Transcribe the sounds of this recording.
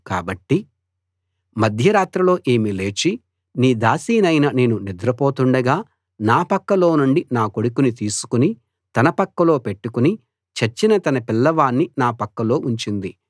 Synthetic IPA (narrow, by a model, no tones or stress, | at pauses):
ka̰ːbɐʈːi | mɐd̪ʱjɐɾaːt̪ɾɐlo̞ːʔeːmile̞ːt͡ʃi | niːd̪aːsiːnɐjnɐne̞ːnunid̪ɾɐpoːt̪uɳɖɐɡaː | naːpɐkːɐlo̞ːnuɳɖinaːkoɽukunit̪iːsu̥kuni | t̪ɐnɐpɐkːɐlo̞ːpe̞ʈːukuni | t͡ʃɐt͡ʃːinɐt̪ɐnɐpilːɐʋaːnːinaːpɐkːɐlo̞ːʔuɲt͡ʃind̪i